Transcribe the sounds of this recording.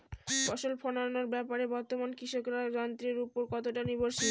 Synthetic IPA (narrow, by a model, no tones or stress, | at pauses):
fɔʃolpʰɔnanoɾbɛpaɾebɔɾt̪omankɾiʃokɾad͡ʑɔnt̪ɾeɾupoɾkɔt̪oʈaniboɾʃi